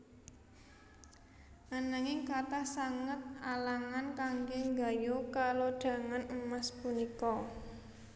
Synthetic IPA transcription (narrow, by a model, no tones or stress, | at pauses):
ʔanaŋɪŋkat̪ahsaŋət̪̚alaŋankaŋɡɛŋɡa̤jokaloɖ̥a̤ŋanəmaspunikɔ